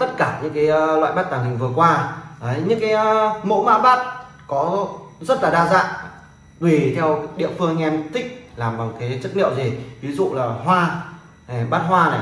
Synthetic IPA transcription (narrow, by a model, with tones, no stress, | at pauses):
t̪ə˦˥t̚kaː˧˩ɲɨ̰˧˥ŋkaː˨˦jlwa̰ː˧˨jɓaː˦˥t̚t̪aː˨˩ŋhï˨˩ŋ̟vɨ˨˩əkwaː˧ʔə˨˦jɲɨ̰˧˥ŋkaː˨˦jmo̰˧˥ma̰ː˧˥ɓaː˦˥t̚ | kɔ˨˦zə˦˥t̚laː˨˩ɗaː˧za̰ː˧˨ʔ | ve˨˩t̪ʰɛ˧wɗḭ˧˨əfɨ˧əŋ˧ŋʔɛ˧mt̪ʰï˦˥k̟̚laː˨˩mɓa˨˩wkaː˨˦jt͡ɕə˦˥t̚nḭ˧˨əwzi˨˩vi˨˦zṵ˧˨laː˨˩hwaː˧˨˩ | ɓaː˦˥t̚ɦwaː˧na˨˩